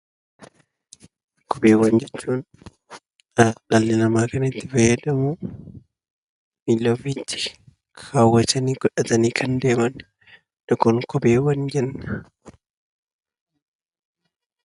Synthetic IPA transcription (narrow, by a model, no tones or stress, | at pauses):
kʰɔbeːwɐnd͡ʒɛt͡ʃːuːn | ɐlɐlːɪnɐmaːkɐnɐɪt̪ːɪfɐjːɐd̪ɐmu | milːoːfit̪ːɪ̥ | kʰaːwɐt̪ɐniːɡ̥ɔᶑɐt̪ɐniːkʰɐnd̪e̞ːmɐn | ᶑɔkɔnkɔbeːwɐnd͡ʒɛnːɐ̥